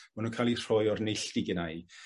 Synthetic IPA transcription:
manukʰalir̥ɔjɔrnɪɬd̥iɡənaj

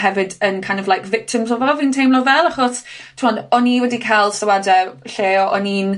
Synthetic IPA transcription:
hɛvɨdənkʰajndɔvlajkvɪk̚tʰɪmzɔvɔvintʰejmlɔvɛlˠaχɔstʰɪmɔndɔniwɛdikʰajlˠsawadɛɬeːɔʔɔniːn

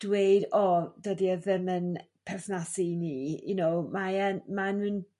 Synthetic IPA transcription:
d̥wejdɔd̥ədiəðəmən | pʰɛrθnasiniːjunowmaɛnmanɨn

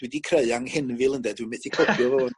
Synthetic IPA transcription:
d̥wɛdikʰreɨaŋhɪnvɨlˠəndɛdwimeθikʰləbʰjɔvɛɔn

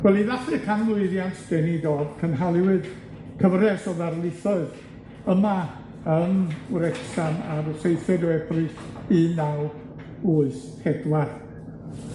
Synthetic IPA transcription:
wɛlˠiðaχɨkʰanlˠʊɨðjantʰd̥ɛnidoːdkʰənɦalˠɪwɨd | kʰəvrɛsɔðarlˠɪθɔɨð | əma | ənɾɛksanarsejθɛdɔɛbʰri | inaw | uɨs | hɛdwar

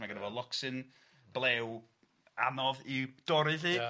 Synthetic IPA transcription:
maɡənəvɔlˠɔksɨn | b̥lˠeːw | anɔðid̥ɔɾɪði

